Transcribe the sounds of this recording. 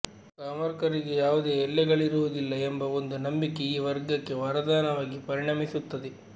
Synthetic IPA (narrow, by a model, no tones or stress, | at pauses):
kaːmɐɾkɐɾiɡe̞jaːʋud̪e̞ːɛlːɛɡɐɭiɾuʋud̪ilːɐembɐond̪unɐmbikːeiːʋɐɾɡɐkːe̞ʋɐɾɐd̪aːnɐʋaːɡipɐɾiɳɐmisut̪ːɐd̪e